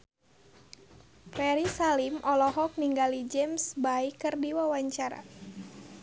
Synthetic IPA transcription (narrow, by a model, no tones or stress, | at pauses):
pɛɾisalimʔɔlɔɦɔk̚niŋɡalid͡ʒɛmsbaikɨrdiwawaɲt͡ʃaɾa̰